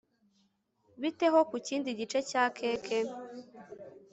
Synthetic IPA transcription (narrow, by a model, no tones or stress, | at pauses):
βite̞ɦo̞kuciːndiɟit͡ʃe̞caːkʰe̞ːkʰe